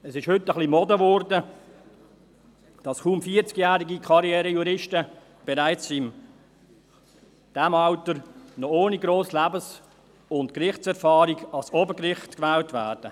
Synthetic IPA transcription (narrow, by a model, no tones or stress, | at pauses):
ɛsɪʃhʏtːəχlimɔdəvɔɾdə | d̥ɑsχuːmfiːəɾt͡skjæːɾiɡikʰɑɾjɛːɾəjuɾɪʃtə | b̥ɛɾaɪt͡sɪm | d̥æmɑʊtəɾnɔoːniɡɾoːslæbəs | ʊntkrɪχtt͡sɛɾfɑːɾiɡɑlsɔbəkrɪχtkvɛːltvæːɾd̥ə